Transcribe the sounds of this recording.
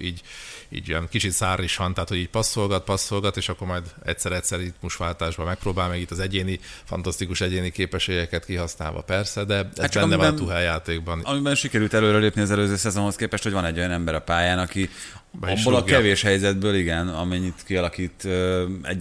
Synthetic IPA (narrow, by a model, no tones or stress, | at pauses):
iːɟḭːɟijɛnkit͡ʃit̪saːriʃhɒnt̪aɦat̪hoɟiːc̚pɒsːolɡɒt̪̚pɒsːolɡɒt̪eːʃɒkːoɾmɒjd̪ɛ̰cʲsɛɾɛcʲsɛrit̪muʃʋaːlt̪aːʒbɒmɛk̚proːbaːlmɛɡit̪ːɒzɛɟeːnifɒ̰nt̪ɒst̪ikuʃɛɟeːnikeːpɛʃeːɡɛkɛt̪kiɦɒsna̰ːlvɒ̰pɛrsɛd̪ɛɛatzt͡ʃɛnnːɛvɒt̪uɦɛjːaːt̪eːɡbɒnmibɛnʃikɛɾylt̪ɛløːɾɛleːpniɒzɛløːzøːsɛzonho̞skeːpɛʃt̪hoɟvɒnɛɟːo̞jɒnɛmbɛɾɒpaːjaːnɒki | bɒbːolɒɡkɛveːʃhɛjzɛd̪bøːliɡɛnɒmɛɲːit̪kiɒlɒkiːt̪øɛ̰ɟ